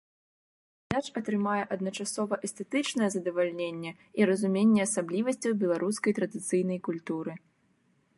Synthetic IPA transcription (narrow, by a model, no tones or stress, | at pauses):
d̪at͡ʂɐt̪ɾɨmajɛʔɐd̪̚nɐt͡ʂasɔvɐʔɛst̪ɛt̪ɨt͡ʂnɐjɛzɐd̪ɐvalʲnʲenʲːɛ | iɾɐzumʲenʲːɛɐsablʲivɐsʲt͡sʲɐwbʲɛlˠaɾuskɐjt̪ɾɐd̪ɨt̪sɨjnɐjkulʲt̪uɾɨ